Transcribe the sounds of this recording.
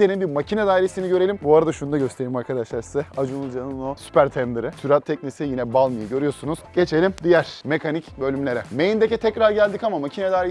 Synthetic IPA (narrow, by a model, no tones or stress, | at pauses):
d̪enimbiɾmacʰinɛd̪aːiɾesiniɟø̞ɾe̞lʲimbuaɾad̪aʃunud̪aɟø̞st̪ʰe̞ɾilʲimaɾkʰad̪aʃlˠaɾizɛad͡ʒunud͡ʒannosy̥pʰæɾt̪ʰɛnd̪ɯɾɯsʰyɾat̪ʰːɛc̚nisijinɛbalˠmɯjɯɟø̞ɾyjo̞sunuz̥ɟ̥e̞t͡ʃʰe̞lʲimd̪ijæɾ̥mekʰanicbø̞lʲymlʲe̞ɾɛmejind̪ecit̪ʰɛcɾaɾɟælʲd̪ikamamacʰinɛd̪aːiɾe